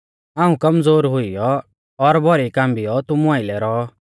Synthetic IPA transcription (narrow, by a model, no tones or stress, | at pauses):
aːũkɐmd͡zoːɾɦʊijɔː | ɾbʱɔɾikãːmbijɔt̪ʊmũaːɪlɛɾɔː